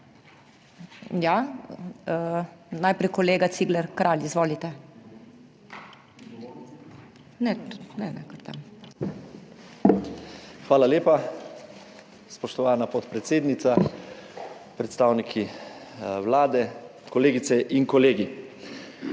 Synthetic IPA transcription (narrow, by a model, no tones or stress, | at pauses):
ja | najpɾɛjkɔleːɡat̪siːɡlɛɾkɾaːlizʋoːlit̪ɛ | nɛnɛnɛ̰kəɾt̪a̰m | xʋaːlaleːpa | spɔʃt̪ɔʋaːnapɔt̪pɾɛt̪seːd̪nit̪sa | pɾɛt̪st̪aːwnikʰi | wlaːd̪ɛkɔleːɡit̪sɛʔiŋkɔleːɡi